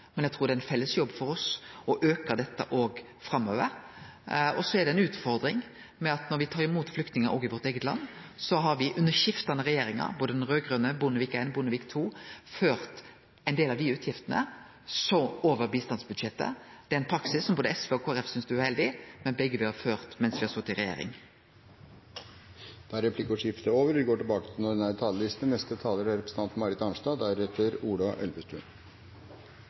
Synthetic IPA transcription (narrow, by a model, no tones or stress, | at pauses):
mɛnæɡt̪ʰɾuːɾd̪ɛæɪnfɛlːəsjɔbːfɔɾɔsɔʔøːkəɾd̪ɛt̪ːə̰ʔoːɡ | fɾɑmːøːʋə̰ɾ | ɔsɔæɖ̪ɛɪnʉːt̪fɔɾd̪ɾɪŋ | mɛɑt̪nɔɾʋɪt̪ʰɑːɾɪmuːt̪flʏk̚t̪nɪŋəɾʔɔ̰ɡɪʋɔɾt̪eːɡət̪lɑ̰nː | sɔɦɑɾʋɪʔʉnːəʃɪft̪ɑnəɾɛjeːɾɪŋɑ̰ɾboːd̪əd̪ɛnʁøːɡʁøːnəbʊnəʋiːkeɪnbʊnəʋiːkt̪ʰuːføːɾt̪ | ɛɪnd̪eːlɑʋd̪ɪʉːt̪ʰjɪft̪ənə̰ | sɔmoːʋəʁbiːst̪ɑnsbʉd̪ʃɛt̪ːə̰d̪̥ɛæɪnpʰɾɑksɪsːɔmboːd̪əɛsʋeːɔkʰoːæʁɛfsʏnsd̪ʉæʉhɛld̪ɪmɛnbɛɡːəʋɪhɑʁføːʁt̪mɛnsʋɪːhɑsɔt̪ːɪʁɛjḛːɾɪ̰ŋ | d̪̥ɑɾɛpʰlɪkəɔʂɪft̪əoːʋəɾʋɪɡoːʈɪlbɑːkə̥t̪ʰɪlnɔɖɛnæɾt̪ʰɑːlːəlɪst̪nənɛst̪ət̪ʰɑːləɖæɾɛpɾəsn̩ɑnt̪n̩mɑːɾɪt̪ɑnʂdɑːd̪æɾɛt̪ʰːəɾuːɖɑʔɛ̰lʋəst̪ɾʉ̰n